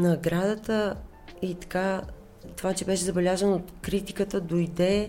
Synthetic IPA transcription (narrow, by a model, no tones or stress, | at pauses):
nɐɡɾad̪ət̪ə | it̪ɐ̥ka | t̪ovat͡ʃɛbɛʃɛzɐbɛlʲazənot̪kɾit̪ikət̪əd̪ojd̪ɛ